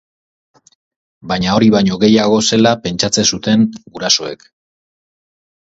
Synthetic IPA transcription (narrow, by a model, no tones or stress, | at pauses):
baɲao̞ɾiβaɲo̞ɣe̞jaɣ̞o̞se̞lape̞nt͡ʃat͡se̞sut̪e̞ŋɡuɾaso̞e̞̰k